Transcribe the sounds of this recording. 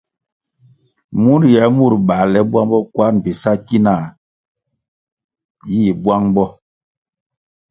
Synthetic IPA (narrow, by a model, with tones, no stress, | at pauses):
mu˦ɾjɛ˨˦mu˦˨ɾɓa˨lɛ˨˦bwa˦ŋbɔ˦kwa˦nbi˨sa˦ki˦na˨ | ji˦˨bwa˦ŋbɔ˦